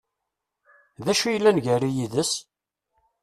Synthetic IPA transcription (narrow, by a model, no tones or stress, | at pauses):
ðæʃujəlːænʝæɾijiðəs